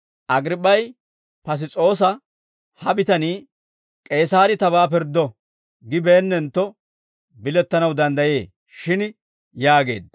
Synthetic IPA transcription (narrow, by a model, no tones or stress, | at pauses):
ʔɐɡɾɪpʼːɐj | pɐs̬ɪt͡sʼo̞ːs̬ɐ | hɐbɪt̪ɐniː | kʼe̞ːsaːɾɪt̪ɐβaːpɪɾd̪ɔ | ɡɪbeːnːɛnt̪ːɔ | bɪlɛt̪ːɐnɐwd̪ɐnd̪ɐje̞ː | ʃɪn | jaːɡe̞̰ːd̪ɐ